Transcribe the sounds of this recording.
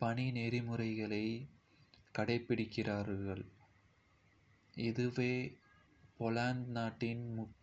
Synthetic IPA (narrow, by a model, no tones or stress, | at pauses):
pɐɳineːɾɪmɯrɐɪɣɐɭɐɪ | kɐɽɐɪpːɪɽɪkːɪraːɾɣɐɭ | ɪðɯʋeː | pɔlaːnd̪naːʈːɪnmʊk